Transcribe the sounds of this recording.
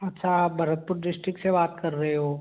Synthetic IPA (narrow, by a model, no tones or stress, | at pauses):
ɐtːʃʰaːp̚bʱɐɾət̪̚pʊɾɖɪsʈɾɪksebaːt̪kɐɾːɐɦeɦoː